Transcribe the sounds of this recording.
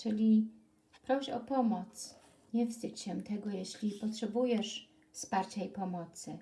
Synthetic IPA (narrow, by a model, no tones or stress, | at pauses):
t͡ʂɘlʲi | pɾɔɕɔpɔmɔt̪s | ɲɛvsd̪ɘt͡ɕt͡ɕɛmt̪ɛɡɔjɛɕlʲipɔtʂɛbujɛʂ | fspaɾt͡ɕaipɔmɔt̪sɘ